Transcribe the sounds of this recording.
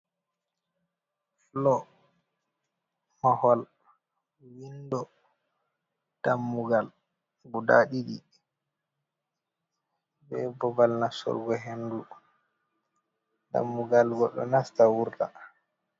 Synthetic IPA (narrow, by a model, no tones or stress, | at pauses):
flɔ | mahɔl | windɔ | d̥amːuɡal | ɡuda̰ɗiɗi | bɛbɔbalnasɔ̰lɡɔɦendu | da̰mːuɡalɡɔɗːɔ̰nastawuɾta̰